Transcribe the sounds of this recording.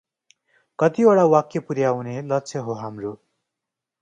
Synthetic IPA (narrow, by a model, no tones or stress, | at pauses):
kʌt̪ioɽawakjʌpuɾjawnelʌtːt͡sʰjʌɦoɦamro